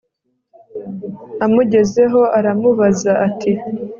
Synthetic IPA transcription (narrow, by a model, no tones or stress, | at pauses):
amuɟe̞ze̞ɦo̞ʔaɾamuβazaʔatʰi